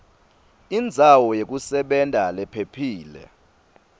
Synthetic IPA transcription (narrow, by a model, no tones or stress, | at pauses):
ind͡zʱawɔjek̬ʼusɛɓɛntʼalɛpʰepʰiːlɛ̰